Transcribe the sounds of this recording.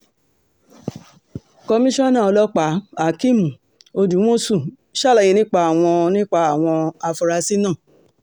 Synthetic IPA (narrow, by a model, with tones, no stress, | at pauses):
kɔ˧mĩ˦ʃɔ̃˦˨˦nã˦˨ɔ˧lɔ˦k͡pa˨˦a˨kĩ˦˨mũ˨ | o˧d͡ʒu˨˦wõ˦su˦˨ | ʃa˦˨la˨jĩ˨˧nĩ˦k͡pa˧˦a˨w̃ɔ̃˧nĩ˦k͡pa˧a˨w̃ɔ̃˧a˧fu˧ɾa˧si˦nã˦˨